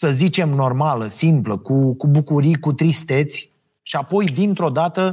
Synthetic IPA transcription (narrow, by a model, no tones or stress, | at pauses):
səzit͡ʃe̞mno̞rmaləsimpləkukubukuɾijkut̪ɾist̪e̞t̪sʲ | ʃiapo̞jd̪int̪ɾo̞d̪at̪ə